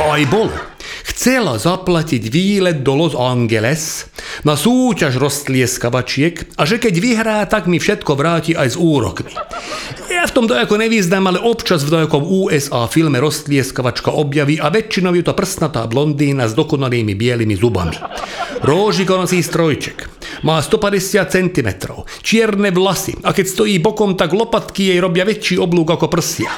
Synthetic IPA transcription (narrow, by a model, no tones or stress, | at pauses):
ajbɔlɔ̰ | xt͡sɛlazaplaciɟʋiːlɛd̪̚d̪ɔlɔzaŋɡɛlɛsnasuːcaʒɾɔst̪lɪɛskaʋat͡ʃɪɛkaʒɛkɛɟʋiɦɾaːt̪aɡmifʃɛt̪kɔʋɾaːciʔajzuːɾɔ̰kmi̥ | jaft̪ɔmd̪ɔjɔkɔɲɛʋiznaːmalɛʔɔpt͡ʃazvd̪ɔjkɔmuːɛsaːfilmɛɾɔst̪lɪɛskaʋat͡ʃkaʔɔbjaʋiʔaʋɛt͡ʃːinɔʊjɛt̪ɔpr̩snat̪a̰ːblɔnd̪iːnazd̪ɔkɔnaliːmibɪɛlimizuba̰mḭɾɔːʒikɔnat͡siːst̪ɾɔjt͡ʃɛ̥k | maːst̪ɔpadɛsɪat̪̚t͡sɛnt̪imɛ̰t̪ɾɔ̰ʊ | t͡ʃɪɛɾnɛʋlasḭakɛcst̪ɔjiːbɔkɔmt̪aɡlɔpat̪kijɛjɾɔbjaʋɛt͡ʃiːɔbluːɡakɔpr̩sja̰